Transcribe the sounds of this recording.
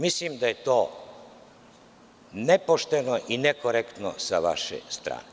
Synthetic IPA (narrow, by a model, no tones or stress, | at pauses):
mislimd̪aje̞t̪oː | nepoʃt̪enoʔinekoɾekt̪no̰saʋa̰ʃḛst̪ɾa̰ːne